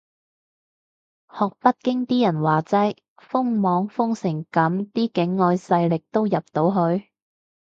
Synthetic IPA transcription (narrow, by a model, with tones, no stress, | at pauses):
hɔː˨k̚pɐ˥t̚kɪ˥ŋt̪iː˥jɐ˨˩nwaː˨t͡sɐ˥j | fʊ˥ŋmɔː˨˥ŋfʊ˥ŋsɪ˨˩ŋkɐ˨˥mt̪iː˥kɪ˨˥ŋːɔː˧jsɐ˧jlɪ˨k̚t̪o˥wjɐ˨p̚t̪o˨˥wɦɵ˧ɥ